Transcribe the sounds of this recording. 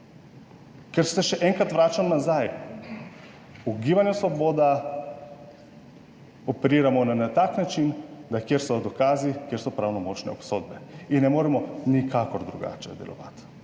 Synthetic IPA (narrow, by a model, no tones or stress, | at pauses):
kɛɾssɛʃɛʔɛŋkat̪ʋɾat͡ʃamɔnazaj | uɡiʋanɛslˠɔbod̪a | opɛɾiɾamɔnanat̪aknat͡ʃind̪akjɛɾsɔd̪okazikjɛɾsɔpɾawnɔmɔt͡ʃnɛ̰opsod̪̚bɛinɛmoɾɛmɔnikʰakɔɾd̪ɾuɡa̰t͡ʃɛ̰d̪ɛ̰lɔ̰ʋa̰t̪